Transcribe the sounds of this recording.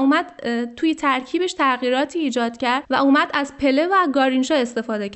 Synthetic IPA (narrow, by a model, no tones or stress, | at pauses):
uːmæd̪̥t̪ʰuːjet̪ʰæɾcʰiːbe̞ʃt̪ʰæɣiːɾɒːt̪ʰiːd͡ʒɒːd̪̥cʰæɾd̪̥væuːmæd̪æzpʰe̞le̞væɡɒːɾinʃɒːe̞st̪e̞fɒːd̪e